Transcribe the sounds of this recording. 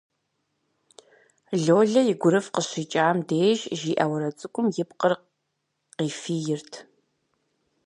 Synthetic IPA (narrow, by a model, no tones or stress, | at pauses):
ɮoːɮɐjɪɡʷʊɾɨfqəɕit͡ʃʼaːmdeːʒʒiːʔɐwɐɾɐt͡sʼɨkʷʼʊmjɪp̚qər | qiːfiːjɪrtʰ